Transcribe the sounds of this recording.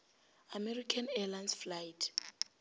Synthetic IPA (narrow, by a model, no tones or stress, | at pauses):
amɛrikʰanɛlansflajtʰ